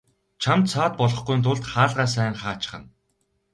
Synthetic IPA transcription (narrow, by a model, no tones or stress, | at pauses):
t͡ɕʰamt̪sʰɔːt̪̚pɔɮɞ̆χɡujnt̪ʰʊɮt̪χaːɮʁaːs̬æːŋχaːt͡ɕɪ̥̆χə̆n